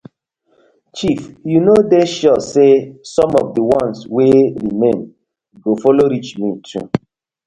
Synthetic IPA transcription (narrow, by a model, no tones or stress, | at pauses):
t͡ʃifjunodeʃɔsesɔ̃mɔ̰vdəwɔ̃nsweɾimẽn | ɡofɔloɾit͡ʃmitʰṵ